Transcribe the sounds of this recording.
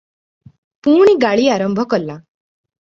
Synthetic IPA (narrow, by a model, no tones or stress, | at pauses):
puːɳ̃iɡaɭiːaɾɔmbʱɔkɔlːa